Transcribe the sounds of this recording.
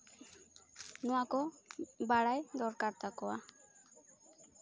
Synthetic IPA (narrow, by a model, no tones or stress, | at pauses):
nɔwakɔbaɽajd̪ɔɾkaɾt̪akɔwa